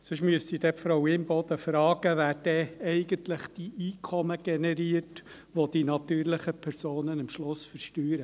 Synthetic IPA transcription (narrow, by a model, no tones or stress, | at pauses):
sʏʃmyəstid̥̪ɛpfɾɔwmbɔd̪əfɾɑːɡ̥əʋæːɾd̥ɛɛɪɡənt̪lɪχd̥iʔiːkʰɔməɡ̥ɛnɛɾiːərt | ʋod̥inɑt̪yːrlɪχəpʰɛɾsoːnənəmʃlʊsfəɾʃtyːɾə